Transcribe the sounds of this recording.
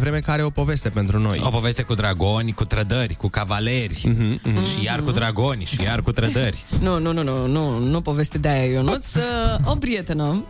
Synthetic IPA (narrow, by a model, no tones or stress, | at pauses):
vɾe̞mekaɾeo̞po̞ve̞st̪e̞pe̞nt̪ɾuno̞̰jo̞po̞vest̪e̞kud̪ɾaɡo̞nʲkut̪ɾəd̪ərʲkukavalerʲʃijarkud̪ɾaɡo̞nʲʃijarkut̪ɾəd̪ərʲnunununununupovest̪ed̪eajajonut̪sopɾiet̪enə